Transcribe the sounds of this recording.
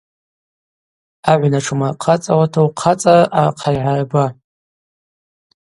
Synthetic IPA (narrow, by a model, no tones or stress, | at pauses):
aʕʷnaʈ͡ʂʰmaqʰat͡sʼawatʰowqʰat͡sʼaʔaqʰajʕarba